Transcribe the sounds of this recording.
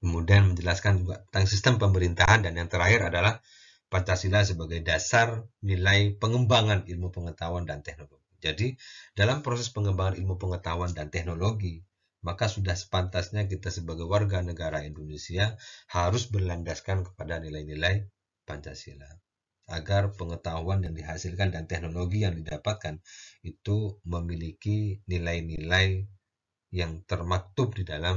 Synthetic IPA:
kəmudianməɲd͡ʒəlaskand͡ʒuɡaət̪aŋsist̪əmpəməɾint̪aɦandanjaŋt̪əɾaɦɪɾadalah | paɲt͡ʃasilas̬əbaɡajdasarnilajpəŋəmbaŋanilmupəŋət̪awandant̪ɛhnoloɡid͡ʒadidalampɾosɛspəŋəmbaŋanilmupəŋət̪awandant̪ɛhnoloɡi | makasudahsə̥pant̪asɲak̬it̪asəbaɡajwarɡanəɡaɾaindonesiahaɾʊsbərlandaskankə̥padanilajnilaj | paɲt͡ʃa̰sḭla | ʔaɡarpəŋət̪aɦuanjaŋdiɦasɪlkandant̪ɛhnoloɡijaŋdidapat̪̚kanit̪uməmilikinilajnilaj | jaŋt̪ərmak̚t̪ʊp̚didalam

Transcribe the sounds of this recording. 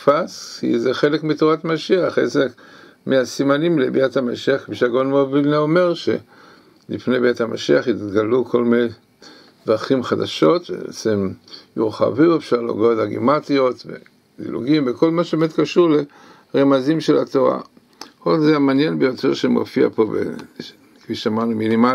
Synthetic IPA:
faskḭzeχe̞lekmitoʁatmaʃiaχḛsek | miasimanimlebiathamaʃiaχkmiʃaɡonmovilnaome̞ʁʃe̞̰ | lifnejbiatamaʃiaχitɡalukʰo̞lmne | dʁaχimχadaʃo̞tvḛbeḛt͡semjuʁχa̰viuefʃaʁleo̰ɡotdaɡḭmat̪io̞t̪vḛ | d̪ḭlṵɡimveko̞lmaʃebemet̪kaʃuʁle̞ | ʁemazimʃelat̪oʁa̰ | odzeamaːnje̞nbejo̞teʁʃemo̰fia̰po̞bḛ | kfiʃeamaʁnuminima

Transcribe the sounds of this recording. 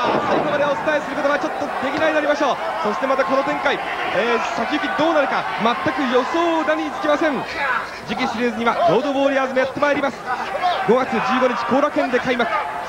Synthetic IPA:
saiɡo̞mad̪eo̞t͡sɨ̥t̪ae̞sɨɾɯkot̪oat͡ɕo̞t̪ːo̞d̪̥e̞kʲinaid̪aɾʲimaɕo̞ː | so̞ɕi̥t̪e̞mat̪akono̞t̪ẽ̞ŋkai | eːsakʲiɯ̟kʲid̪o̞ːnaɾɯ̟ka | mat̪ːakɯ̟jo̞so̞ːnaɲʲiit͡sɨ̥kʲimasẽŋ | d͡ʑikʲisɨɾʲeːzɨɲ̟iβaɡʲo̞ːd̪o̞bo̞ːɾʲiaːzɨmo̞jat̪ːe̞maeɾʲimasɨ̥ɡo̞ɡat͡sɨd͡ʑɨːɡo̞ɲ̟it͡ɕi̥ko̞ːɾakẽ̞nd̪e̞kaimakɯ̟̥

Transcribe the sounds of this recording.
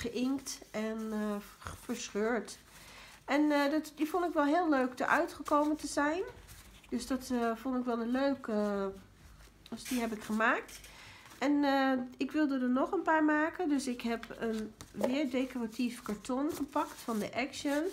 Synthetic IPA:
χəʔɪŋktɛn | fəɹsχøːɹt | ɛndɔtdifɔndɪkʋɛlˠɦɪːlˠːøɥkdə̰ɹʔœɥtχəkowməntəzɛjn | døsdɑtfɔndɪkʋɛlˠəløɥkə | dsdiɦɛp̬ɪkχəmaːk̚tʔɛnɪkʋɪlˠdədənɔχənpaːɹmaːkəndøsɪkɦɛpənʋɪəɹdekɔratʰifkaɹtʰɔnχəpɑktfɑndəʔɛkʃən

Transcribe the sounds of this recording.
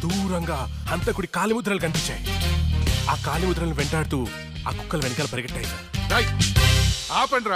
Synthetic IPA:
d̪uːɾɐŋɡaː | ɐnt̪ɐkuɽikaːlimud̪ɾɐlukɐnpiɲt͡ʃːaːji | aːkaːlimud̪ɾɐlɐniʋeɳʈaːɽut̪uː | aːku̥kːɐlɐʋenɐkɐlɐpɐɾiɡɐʈːɐːjɐt̪aɾɐjʈ | aːpɐɳɾaː

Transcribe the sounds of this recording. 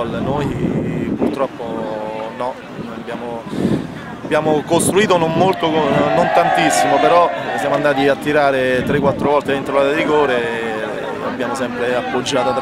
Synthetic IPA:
lnojpurt̪ɾɔpːonɔ | abːjaːmo | abjaːmokost̪ɾuiːt̪̬onommolt̪okonont̪ant̪isːimopeɾɔsjaːmoand̪aːt̪iat̪ːiɾaːɾet̪ɾekːwat̪ːɾovɔlt̪eint̪ɾolaːt̪ed̪iɡoːɾe | a̰bːjaːmosɛmpɾeapːod͡ʒːaːt̪oat̪ɾ

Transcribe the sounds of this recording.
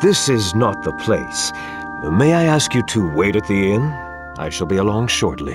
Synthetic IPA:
ðɪsɪznət̪̚ðəpʰl̥eɪs | meɪaɪæskjɨɾɨweɪɾɨt̪̚ðiɛ̃n | ʔa̰ɪʃəlˠbiəlɔ̃ŋʃɔ̰ɹtˡlḭ

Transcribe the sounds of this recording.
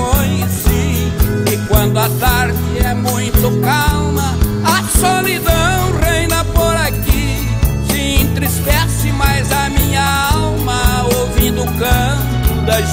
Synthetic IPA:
õj̃sĩɪkwɐ̃nd̪ʊɐt̪aɾd͡ʒɪɛmũj̃t̪ʊkalmɐ | ɐsolid̪ɐ̃w̃ʁẽj̃nɐpoɾaki | t͡ʃɪĩt̪ɾispɛsɪmajzɐmĩɲɐ | aawmɐ | owvĩnd̪ʊʊkɐ̃ | t̪ʊd̪ɐʒ

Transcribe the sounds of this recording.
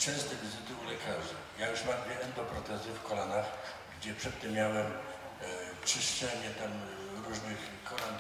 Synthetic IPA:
t͡ʂɛsd̪ɛvʲzd̪ulɛkʰaʐɨ | jajuʂmamvʲjɛɛnd̪ɔpɾɔt̪ɛzɪfkɔlanax | ɡd͡ʑɛpʂɛt̪ːɛmmjawɛm | t͡ʂɘʂt͡ʃɛɲɛt̪am | ɾuʐnɘx | kɔlan

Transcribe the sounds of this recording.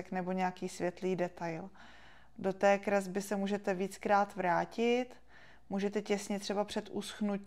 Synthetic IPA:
ɛknɛbo̞ɲɛakiːsvjɛt̪liːdɛt̪ajl | do̞t̪ɛːkɾɛzbɪsɛmuːʒɛt̪ɛviːt͡skɾaːt̪vɾaːcɪt̪ | muːʒɛt̪ɛcɛsɲɛt̪r̝̥ɛbapr̝̥ɛt̪ʔusxnu

